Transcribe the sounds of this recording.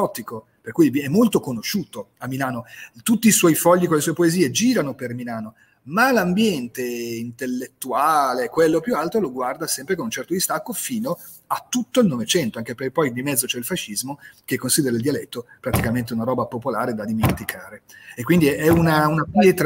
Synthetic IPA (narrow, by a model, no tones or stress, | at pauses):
ɔt̪iko | perkujvɛmːolt̪okonoʃuːt̪o | amːilaːnot̪ut̪ːiːswɔjfɔʎːikolesuɔepoeziːed͡ʒiːɾanopermilaːno | malambjɛnt̪eint̪elːet̪ːuaːlekwelːopjualt̪ɾoloɡward̪asɛmpɾekonunt͡ʃɛrt̪od̪ist̪akːofiːno | at̪ːut̪ːoilnovet͡ʃɛnt̪oaŋkepepɔjd̪imɛd̪zːot͡ʃɛilfaʃːizmok̟ekːonsid̪eɾaild̪ialɛt̪ːopɾat̪ikament̪̬eunaɾɔːbapopolaːɾed̪ad̪iment̪ikʰaːɾeekːwind̪iɛɛunaunaplet̪